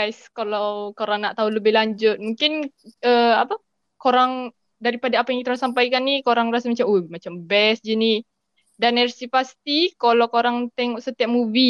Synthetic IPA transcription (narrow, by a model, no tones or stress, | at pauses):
ajskalawkoɾaŋnaʔt̪auləbɪhlaɲd͡ʒʊt̪̚muŋkɪnəapa | koɾaŋ | daɾipadaːpajaŋkit̪aɾŋɔsampajkanːikoɾaŋrasamat͡ʃamumat͡ʃambɛsd͡ʒini | danərsipast̪ikalokoɾaŋt̪ɛŋɔʔsət̪iap̚mubi